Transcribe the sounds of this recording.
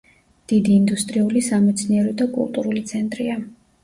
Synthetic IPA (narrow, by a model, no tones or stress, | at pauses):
d̪̥id̪iːnd̪ust̪ʼɾiulisamɛt̪sʰniɛɾɔd̪akʼṵlˠt̪ʼuɾulit̪sʰɛnt̪ʼɾia